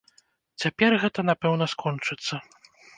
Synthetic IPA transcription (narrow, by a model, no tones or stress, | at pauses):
t͡sʲapʲɛrɣɛt̪ɐnapɛwnɐskʰɔnt͡ʂɨt̪sːɐ